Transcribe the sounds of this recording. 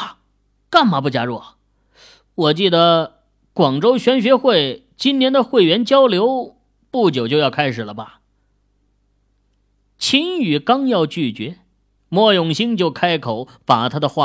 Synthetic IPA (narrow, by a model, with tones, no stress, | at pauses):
ka˥˩nma˧˥p̬u˥˩t͡ɕja̰˥ɻɔ˥˩ | wɔ˨˩t͡ɕi˥˩d̪ə˩ | kwɑ˨˩ŋʈ͡ʂo˥ʊɕɥɛ˧˥nɕɥɛ˧˥xwe˥˩ɪ | t͡ɕi˥njɛ˧˥nd̪ə˨xwe˥˩ɪɥɛ˧˥nt͡ɕjɑ˥ʊljo˧˥ʊ | pu˥˩t͡ɕjo˨˩ʊt͡ɕjo˥˧ʊjɑ˥˧ʊkʰa˥ɪʂɻ̩˨˩lə˦bɐ˩ | t͡ɕʰi˥ny˨˩kɑ˥ŋjɑ˥˧ʊt͡ɕy˥˩t͡ɕɥɛ˧˥ | mwɔ˥˧jʊ˥˨˩ŋɕi˥ŋt͡ɕjo˥˧ʊkʰa˥ɪkʰo˨˩˦ʊ | pa˨˩t̪ʰa˥d̪ə˨xwa˥˩